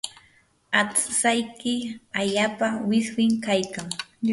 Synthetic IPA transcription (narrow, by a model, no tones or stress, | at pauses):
at͡ssajkɪaʎaːpawɪswɪŋkajkaŋ